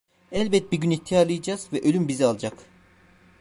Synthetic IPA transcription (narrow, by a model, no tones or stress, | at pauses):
ɛlʲbɛt̪̚biɾɟynit̪ʰːijalˠɯjad͡ʒaz̥vɛʔølʲymbizialˠd͡ʒak